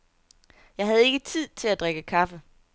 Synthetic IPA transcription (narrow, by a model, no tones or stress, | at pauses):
jɑ̈ɪɦæð̞ˠe̝ɡ̥ət͡sʰið̰ˠt͡sʰe̝læd̥ʁeɡ̥əkʰɑ̈fə